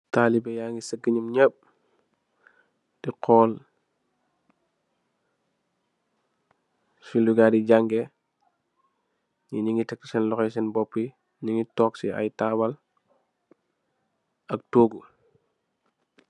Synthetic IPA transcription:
taːlibɛjaːŋɡisəɡiɲumɲəp̚ | d̥iqʰɔːl | suluɡadiɟaŋɡɛ | ɲiɲiŋɡitɛk̚tisɛnlɔxɛsɛnbɔpːi | ɲiŋɡitɔːksia̰jtawɐl | ɐk̚toːɡu

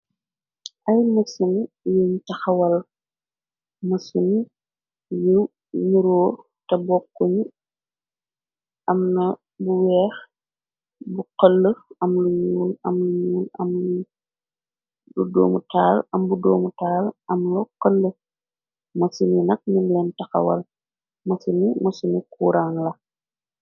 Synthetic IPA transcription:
ʔɐjmɐsun | juɲtɐxɐwɐl | mɐsun | ju | ɲuɾɔː | tɐbɔkːuɲ | ɐmnɐ | buwɛːx | buqəlːəɐmluɲuːlɐmluɲuːlɐ̰mlu | ludɔ̰ːmutaːlɐmbudɔ̰ːmutaːlɐmlɔqəlːə | mɐsuninɐk̚ɲumlɛntɐxɐ̰wɐ̰l | mɐsunimɐsunikuːɾaŋlɐ

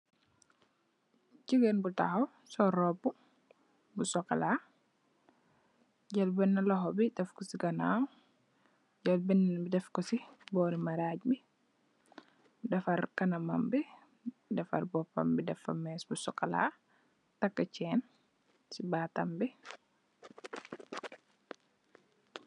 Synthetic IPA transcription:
ciɡɛnbuta̰xɐw | sɔɾɔbu | busɔkɐlaː | ɟɐlbɛnːɐlɔɦɔbidɛfkɔsiɡɐnaːw | ɟɐlbɛnːɛbidɛfkɔsibɔːɾimɐɾaɟbi | dɛfɐɾkɐnɐmɐmbi | dɛfɐ̰ɾbɔpːɐ̰mbidɛfɐ̰mɛːsbusɔkɐla̰ | tɐkːɐt͡ʃɛːn | sibaːtɐmbi

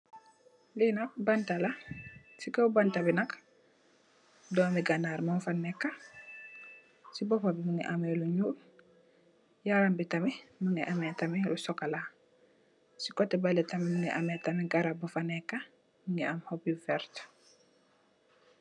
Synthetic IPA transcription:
linɐk̚bantala | sikɐwbantabinɐk | dɔːmiɡanaɾmamfanːɛkːa | sibɔpabimuŋɛ̰ʔamɛluɲuːl | jaɾambitamɛmuŋɛʔamɛtamɛlusɔkala | sikɔtːɛbalɛtamimuŋɛʔamɛtamɛɡaɾabufanɛkːa | məŋɛamhopifɛɾt

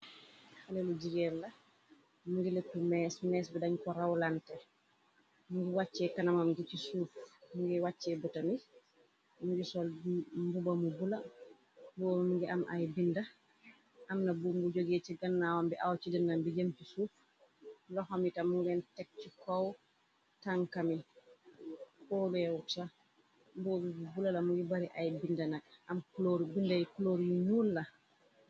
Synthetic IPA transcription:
halelud͡ʒiɡɛnla | muɡiletːumɛsmɛsbidaɲkɔɾawlantɛ | muŋɡiwat͡ʃːɛkanamamɡit͡ʃisuːfmuɡɛwat͡ʃːɛbutami | muɡisɔlmbubamubula | bɔmmuɡiʔamʔa̰jbinda | ʔamnabumɡud͡ʒoɡet͡ʃiɡanːawambɛʔawt͡ʃidɛnːambid͡ʒamt͡ʃisuf | lɔhɔmitamuɡɛntɛk̚t͡ʃikɔw | taŋkami | kɔbɛwuta | mbɔbɛbubulalamud͡ʒubaɾiʔajbindanaɡʔamkloɾbindajkuloɾijuɲulːa

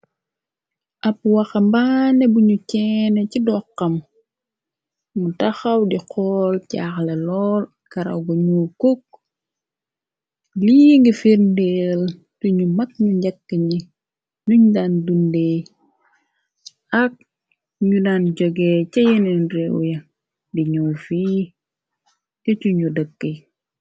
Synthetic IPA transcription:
ʔɐpːwɐxɐmbanɛbuɲucɛːnɛcidɔqːɐm | mutɐxɐwdiqʰɔːlca̰ːxlɛlɔːl | kɐɾɐ̰wɡɔɲuːkok̚ | liŋɡifiɾndɛːl | tuɲumɐk̚ɲuɲɟɐkːəɲi | nuɲdandundɛ | ɐk̚ | ɲudaːnɟɔɡɛːcɐjɛnɛnɾɛw̰jɐ | diɲɔːlfiː | tɛcuɲudəkːə

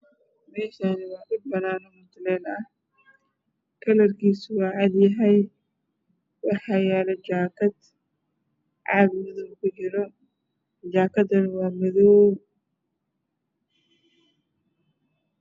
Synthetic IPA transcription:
mɛːʃanɪwaːʔɪd̚bɐnaːnɔmʊt̪ɪlɛːlɐɐ | kɐlɐrkiːswaːʕad̪jɐɦɐj | wɑħajaːlɛd͡ʒaːkɐt̪ | ʕad̪mɪðʊmkʊd͡ʒɪɾɔ | d͡ʒaːkɐd̪ɐnɪwaːmɐðɔw

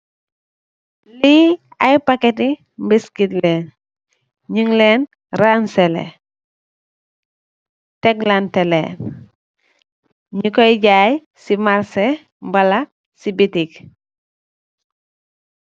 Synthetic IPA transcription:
liajpaketi | mbiskitlen | ɲiŋlen | ɾanselḛ | teɡlantelḛn | ɲukojiɟaːj | simaɾse | mbala | sibitik

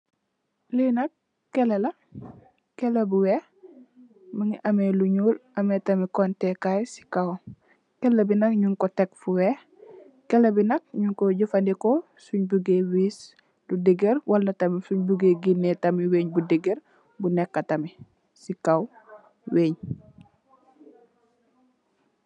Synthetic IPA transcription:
linɐkː | ɛlɐlɐ | kɛlɐbuwe | mɐŋiʔɐmeluɲuːlɐmetɐmikɔntɛkajsi̥kaw | kɛlːɐbinɐkɲuŋkɔtɛk̚fuwɛ | kɛlɐbinɐk̚ɲuŋkoɟufɐndiko | suɲbuɡewiːs | ludeɡeɾwɐlːɐtɐmisuɲbuɡeɡinːetɐmiweːɲbudeɡeɾ | bunɛkːɐtɐmi | sikaw | weːɲ

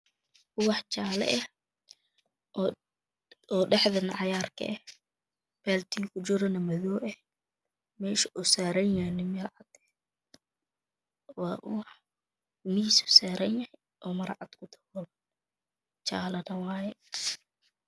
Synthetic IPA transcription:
kʊwɑħt͡ʃaːlɐ̰ʔɛh | ɔːɖɛħðɐnɑʕɑjaːrkʰɐ̰ʔɛ | bɛlt̪ʰiːkʰʊt͡ʃɪɾɐnɐmɐðɔːʔɛh | mɛːʃɐʔusaːɾɐnjanɪmɐɾʕɑd̪̥ɛ | wɑːʔʊwɑħ | misʊ̥saːɾɐnjɐhj | ʔɔːmɐɾʕɑ̰d̪kʰʊt̪ʰɐ̥wɔl | t͡ʃa̰ːlɐnɐwɑːjɛ

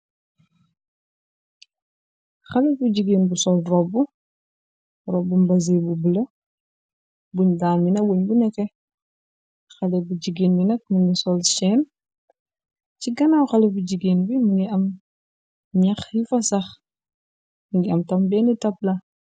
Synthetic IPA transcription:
xɐlɛbuɟiɡinbusɔlrɔbːu | ɾɔbːumbɐz̬ebubəlɐ | buɲdaːninɐwuɲbunɛkɛ | xɐlɛbuɟiɡinbinɐk̚muŋɡisɔlʃɛːn | ciɡɐnawxɐlɛbuɟiɡinbimuŋɡiɐm | ɲɐxjifɐsɐx | muŋɡiɐmtɐmbɛnitɐp̚lɐ

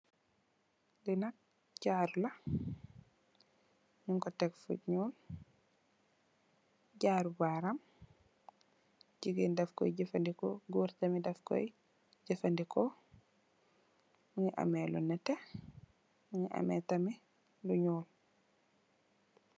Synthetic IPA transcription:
linɐk̚ | ɟaːɾulɐ | ɲuŋkɔtekfṵɟɲuːl | ɟaːɾubaɾɐm | ɟiɡindɛfkɔ̰jɟifandikoɡuɾtɐmidɛfko̰j | ɟifɐndiko | muŋiʔa̰melṵnɛte | muŋiʔa̰metɐmi | luɲuːl

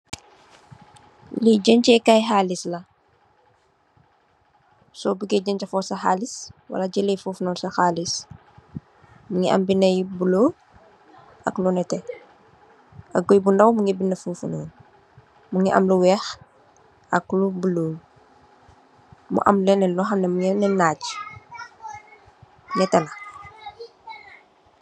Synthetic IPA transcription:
liɟəɲt͡ʃɛkajɦaːlislɐ | sɔbəɡɛɟəɲcɐfɔsɐxaːliswɐ̰lɐɟəlɛjfuːfnɔːnsɐxaːlis | muŋiʔɐ̰mbinɐjbuloː | ʔɐ̰klunɛtɛ | ɐkɡɔjbunɐwmuŋibinːɐfuːfunɔ̰ːn | muŋiʔɐ̰mluwɛːx | ɐklubuloː | mṵʔɐ̰mlɛnɛlɔxɐnɛmuŋɛnɛnaːɟ | ŋɛtɛlɐ

